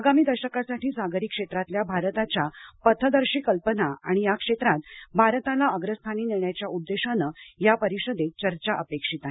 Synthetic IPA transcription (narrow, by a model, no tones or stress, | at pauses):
aɡamiːd̪əɾɕəkasaʈiːsaɡəɾikʂet̪ɾat̪ljabʱaɾt̪at͡ɕjapət̪ʰəd̪əɾɕiːkəlpənaa̰ɽ̃ijakʂet̪ɾat̪bʱaɾt̪alaəɡɾəst̪ʰaniːniɳjat͡ɕjaʔud̪ːeɕanəjapəɾiɕəd̪et͡ɕəɾt͡ɕaʔəpekʂit̪aɦe